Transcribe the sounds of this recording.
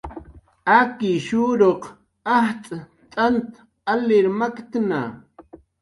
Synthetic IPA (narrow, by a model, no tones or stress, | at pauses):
akɪʃuːɾoq | aht̪ʼa | t̪ʼant̪ | alɪɾmakt̪na̰